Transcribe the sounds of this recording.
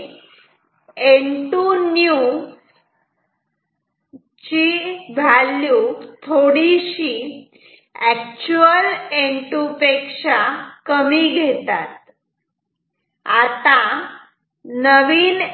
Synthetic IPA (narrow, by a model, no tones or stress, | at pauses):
eɳʈunju | t͡ɕibʱaljut̪ʰoɽiɕi | ɛk̚t͡ɕuəleɳʈupekʂakəmiːɡʱet̪at̪̚ | at̪a | nəʋiːn